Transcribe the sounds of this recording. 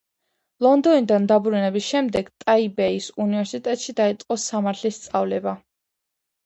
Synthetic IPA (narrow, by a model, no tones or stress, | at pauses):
lˠɔnd̪ɔnid̪and̪abɾunɛbisʃɛmd̪ɛɡt̪ʼaibɛisunivɛɾsit̪ʼɛt̪ʼʃid̪ait̪sʼqʼɔsamaɾt̪ʰlist̪sʼavlɛba